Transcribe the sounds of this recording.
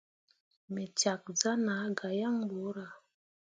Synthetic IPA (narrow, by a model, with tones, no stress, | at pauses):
me˨t͡ʃa˨k̚d͡za˦na˨˦ɡa˨ja˦ŋbo˨˦ɾa˨